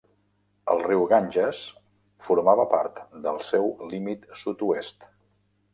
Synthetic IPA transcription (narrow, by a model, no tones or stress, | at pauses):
ə̰lˠriwɣanʲʒəs | fuɾmaβəpaɾt̪d̪əlˠsewlimit̪sut̪uest̪